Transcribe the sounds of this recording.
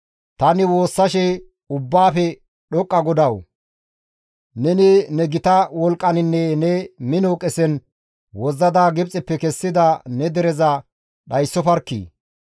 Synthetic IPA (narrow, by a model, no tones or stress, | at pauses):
t̪ɐnɪwo̞ːsːɐʃɛ | ʊbːaːpɛ | ɗɔkʼːɐɡɔd̪ɐw | nɛnɪnɛɡɪt̪ɐwɔlkʼːɐnɪnːɛnɛmɪnoːkʼɛsɛn | wɔzːɐd̪aːɡɪbt͡sʼːɪpːɛkɛsːɪd̪ɐnɛd̪ɛɾɛzɐ | ɗɐjsːɔfɐɾkːḭː